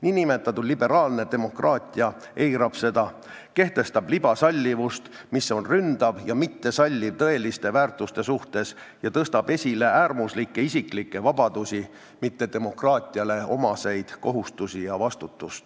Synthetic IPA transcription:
niːnime̞t̪ːˑɑt̪ulibe̞ɾɑːlne̞d̪̥e̞mo̞krɑːt̪ʲˑiɑ | ʔe̞jɾɑb̥se̞d̪̥ɑ | ke̞ht̪e̞st̪ɑblib̥ɑsɑlʲːivust̪ | misːo̞nrynd̪̥ɑvjɑmit̪ːe̞sɑlʲːivt̪ɤe̞list̪e̞væːrt̪ˑust̪e̞suht̪e̞s | jɑt̪ɤst̪ɑb̥e̞sʲile̞æːrmuslikːe̞isʲikˑlikːe̞vɑb̥ɑd̪̥usʲi | mit̪ːe̞d̪̥e̞mo̞krɑːt̪ʲˑiɑle̞o̞mɑse̞jd̪̥ko̞ɦust̪usijɑvɑst̪ut̪ːust̪

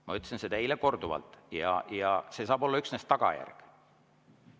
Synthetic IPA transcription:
mɑ̰yt̪ːsinsed̪ɑileko̞rd̪uvɑ̰lt̪ˑjɑ̰jɑse̞sɑːbo̞lːɑyksnest̪ːɑɡ̥ɑ̰jæ̰rɡ̥

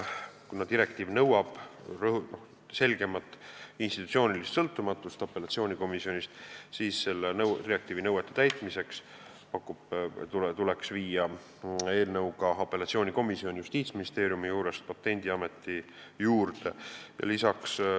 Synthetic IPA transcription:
kunɑd̪d̪iɾe̞k̚t̪iːvnɤwɑb̥rnoh | se̞lʲɡ̥e̞mɑt̪ːˑinst̪it̪u̥t̪sʲio̞ːnʲilist̪sɤlt̪ːˑumɑt̪ːˑust̪ɑpe̞lɑt̪sio̞ːnʲiko̞misio̞nʲist̪siːsːe̞lːenɤwt̪iɾek̚t̪ivinɤwet̪ːˑet̪æjt̪ˑmise̞ks | pɑkːˑub̥t̪ut̪uleksviːjɑ | e̞ːlnɤwɡɑɑpːe̞lɑt̪sio̞ːnʲiko̞misio̞nʲjust̪iːt̪sminist̪e̞ːɾjumijuːɾe̞st̪̚pɑt̪ːe̞nʲd̪̥iɑme̞t̪ːˑi | juːrd̪e̞jɑ̰lisɑks

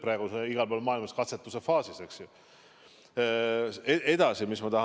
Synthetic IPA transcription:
pɾæːɡ̥useiɡ̥ɑlpolmɑːilmɑskɑt̪set̪ːˑuse̞fɑːsiseksju | eʔe̞d̪̥ɑsimismɑt̪ɑɦɑ

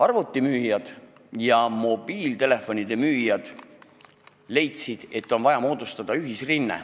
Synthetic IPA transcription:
ɑrvut̪ˑːimyːjɑd̪̥ | jɑmo̞biːlt̪e̞le̞fːo̞nʲid̪e̞myːjɑd̪̥ | le̞jt̪sid̪̥e̞t̪ːˑo̞nvɑjɑmoːd̪̥ust̪ɑd̪̥ɑyɦisrinːḛ

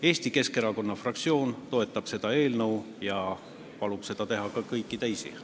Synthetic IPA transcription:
e̞ːst̪ike̞ske̞ɾɑko̞nːɑfrɑk̚t̪sio̞ːnt̪o̞e̞t̪ːˑɑb̥se̞d̪̥ɑe̞ːlnɤw | jɑ | pɑlub̥se̞d̪ɑt̪e̞ɦɑkɑkɤjkːˑit̪ejsḭ

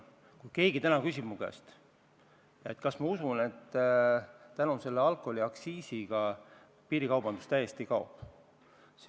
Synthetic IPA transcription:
kujke̞ːɡ̥it̪ænɑkysʲib̥mukæ̰st̪ | et̪ːˑkɑsmɑusune̞t̪ː | ænonse̞lːeɑlkːˑo̞lʲiɑksiːsiɡ̥ɑ | piːɾikɑwbɑnd̪̥ust̪æje̞st̪ikɑo̰p | s

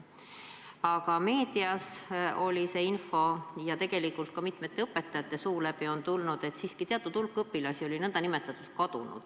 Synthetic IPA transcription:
ɑɡɑme̞ːd̪̥iɑso̞lʲise̞info̞jɑt̪e̞ɡ̥e̞likːˑult̪̚kɑmit̪me̞t̪ːe̞ɤpːˑe̞t̪ːˑɑjɑt̪ːˑe̞suːlæbio̞nt̪ulnud̪̥e̞t̪siːskit̪eɑt̪ːˑud̪̥ulkːɤpːilɑsʲio̞lʲinɤnd̪̥ɑnime̞t̪ːˑɑt̪ːˑud̪̥̚kɑd̪̥unṵd̪̥

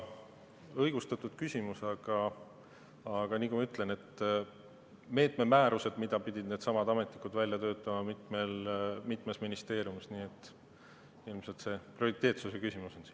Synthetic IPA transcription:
ɤjɡ̥ust̪ɑt̪ːˑud̪̥̚kysʲimusɑɡ̥ɑ | ɑɡ̥ɑniːkumɑyt̪ˑle̞ne̞t̪ː | me̞ːt̪me̞mæːɾuse̞d̪̥mid̪̥ɑpid̪̥ʲid̪̥̚ne̞ːd̪sɑmɑd̪ɑme̞t̪nikud̪vælʲjɑt̪ø̞ːt̪ːˑɑmɑmit̪ˑme̞lmit̪ːˑmesminist̪e̞ːɾiumsniːe̞t̪ːˑ | ilmse̞lt̪se̞prioɾit̪ːˑe̞ːt̪susekysʲimuso̞nsi

